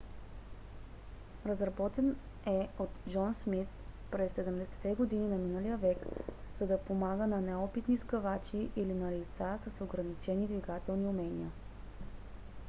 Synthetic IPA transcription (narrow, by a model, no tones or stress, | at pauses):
ɾəzɾɐbɔt̪ɛn | ɛot̪d͡ʒɔnsmit̪pɾɛsːɛd̪ɛmd̪ɛsɛ̥t̪ɛɡod̪ininɐminəlijəvɛkz̥ɐd̪ɐpomaɡənɐnɛɔpit̪niskɐvat͡ʃiʔilinɐlit̪sasəsoɡɾɐnit͡ʃɛnid̪viɡat̪ɛlˠniʊmɛniə